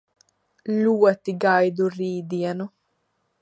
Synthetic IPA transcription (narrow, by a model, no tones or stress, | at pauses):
luːat̪ːiɡajd̪uriːd̪ianu